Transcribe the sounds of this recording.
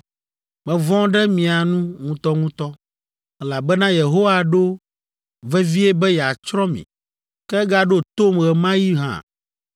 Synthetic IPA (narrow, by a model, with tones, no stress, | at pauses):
mɛ̃˨vɔ̃˦ɖɛ˦mĩ˨a˨nũ˦ŋũ˦t̪ɔ˦ŋũ˦t̪ɔ˦ | ɛ˦la˨bɛ˦nã˦je˨ɦo˦wa˦ɖo˦ | vɛ˦vi˦e˦bɛ˦ja˨t͡ʃɾɔ̃˦mḭ̃˨ | kɛ˦ɡa˦ɖo˦t̪o˦mɣɛ˨mã˦ji˦ɦã̰˨